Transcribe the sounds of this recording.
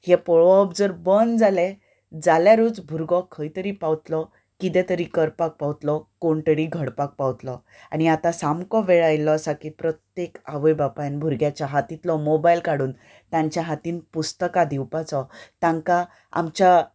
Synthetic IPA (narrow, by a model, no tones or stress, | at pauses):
hɛpɔɭʋɔpd͡zəɾbənd͡zale | d͡zaljaɾuːd͡zbʱuɾɡɔkʰəjt̪əɾiːpaʋt̪lɔ | kit̪ɛ̃t̪əɾiːkəɾpak̚paʋt̪lɔkoɳʈ̪əɽiɡʱəɽpak̚paʋt̪lɔ | aɽ̃iat̪asamkɔʋeɭajlɔasakipɾət̪jekaʋəjbapajnbʱuɾɡjat͡ɕaɦat̪it̪lɔmobajlkaɽuːn | t̪ãɲt͡ɕjaɦat̪iːnpust̪əkad̪iwpat͡sɔt̪ãŋka | a̰mt͡ɕa